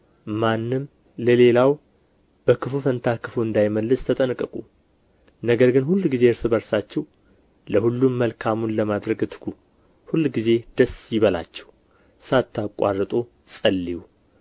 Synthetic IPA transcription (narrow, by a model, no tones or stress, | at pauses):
manːɨm | ləle̞law | b̥əkʰɨfufənt̪ʰakʰɨfuɨnd̪ajməlːɨst̪ʰət̪ʼənkʼːɨkʼu | nəɡəɾɡɨnhulːɡize̞ɨɾsɨbəɾsat͡ʃːɛw | ləhulːumːəlkʰamunləmad̪ɾəɡɨt̪ʰɨ̥kʰu | hulːɡize̞d̪̥əsjɪβəla̰t͡ʃːɛw | sat̪ʰːakʼa̰rːət̪ʼo̞ | sʼəlːiwu